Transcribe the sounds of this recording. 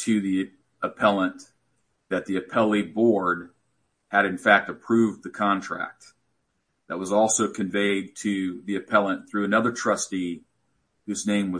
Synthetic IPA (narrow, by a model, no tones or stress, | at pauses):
tʰɨði | əpʰɛlˠə̃n | ðɨt̪̚ðiɨpʰɛlˠibɔɹd̚ | ɨɾɨ̃nfæk̚tɨpʰɹ̥ʉvðɨkʰɑ̃ntʰɹ̥æ̰k̚t̪̚ | ðɨt̚wʌzɔlˠsoʊkʰɨ̃ɱveɪd̚tʰɨðiɨpʰɛlˠə̃nθɹʉɨnʌðə˞tʰɹ̥ʌsti | hʉznẽɪ̃mwʌ